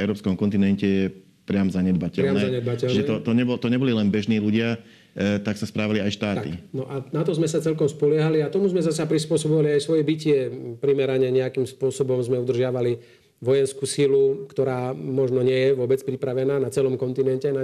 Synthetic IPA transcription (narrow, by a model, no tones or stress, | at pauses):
ɛʊɾɔːpskɔmkɔnt̪̬inɛncɛjɛ | pɾɪamzaɲɛd̪bacɛɾɪanɛzaɲɛd̪bacɛlʒɛɛt̪ɔt̪ɔɲɛbɔlt̪ɔɲɛbɔlilɛnbɛʒniːluɟɪa | t̪aksaspɾaːʋaliajʃt̪aːt̪ak̪ḭnɔʔanat̪ɔzmɛsat͡sɛlkɔmspɔlɪɛɦaliat̪ɔmuzmɛzasapɾispʊɔsɔbɔʋaliajsʋɔjɛbicɪɛpɾimɛɾaɲɛɲɛakimspʊɔsɔbɔmzmɛud̪r̩ʒɪaʋali | ʋɔjɛnskuːsilukt̪ɔɾaːmɔʒnɔɲɪɛjɛʋʊɔbɛt͡spɾipɾaʋɛnaːnat͡sɛlɔmkɔnt̪inɛncɛna